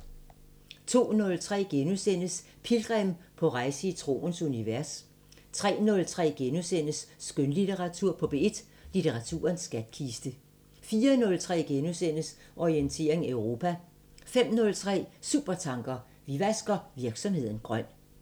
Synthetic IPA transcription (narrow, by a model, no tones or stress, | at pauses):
t͡sʰo̝̰ːnɔ̽lt͡sʰʁɛ̰ːɡ̥enusen̰əs | pʰilɡ̥ʁɛmpʰɒ̽ʁɑ̈ɪsəit͡sʰʁo̝̰ːnsuniʋæɐs | t͡sʰʁɛ̰ːnɔ̽lt͡sʰʁɛ̰ːɡ̥enusen̰əsːɡ̥ønlit͡sʰeʁɑ̈t͡sʰuɐ̰pʰɒ̽b̥e̝e̝d̥ | lit͡sʰeʁɑ̈t͡sʰṵːɐnsɡ̥æd̥̚kʰisd̥ə | fiːɐnɔ̽lt͡sʰʁɛ̰ːɡ̥enusen̰əs | ʔɒient͡sʰe̝̰ːɐ̰e̝ŋæøʊʁo̝pʰæ | fem̰nɔ̽lt͡sʰʁɛ̰ːsuːb̥ɐt͡sʰɑ̈ŋɡ̥ɐ | ʋiʋæsɡ̥ɐʋiɐɡ̥sɒ̽mhe̝ð̰ˠn̩ɡ̥ʁɶn̰